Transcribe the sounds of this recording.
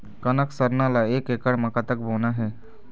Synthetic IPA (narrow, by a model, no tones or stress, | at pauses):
kɐnəksəɾnãlaeːkeːkəɽmɐkat̪ək̚boːnaɦɛː